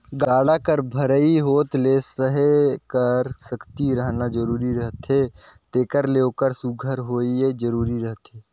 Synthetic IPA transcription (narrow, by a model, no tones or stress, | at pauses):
ɡaːɽakəɾbʱəɾəiɦoːt̪leːsəɦekəɾsəkt̪iɾəɦnad͡ʒəɾuːɾiɾəɦt̪eːt̪eːkəɾleokəɾsuɡʱəɾɦoːied͡ʒəɾuːɾiɾəɦt̪eː